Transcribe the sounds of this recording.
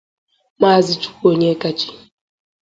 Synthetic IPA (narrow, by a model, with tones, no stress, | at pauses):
ma˦˨zi˦t͡ʃu̥˦ko˦ɲe˦ka˦t͡ʃi̥˦